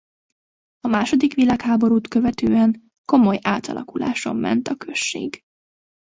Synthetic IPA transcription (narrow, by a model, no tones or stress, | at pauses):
ɒmaːʃo̞d̪ikʋilaːkhaːbo̞ɾuːt̪kø̞vɛt̪øːɛŋ | ko̞mo̞jaːt̪ɒ̰lʔɒ̰kula̰ːʃo̞̰mːɛ̰nt̪ɒkø̞ʃːḛːɡ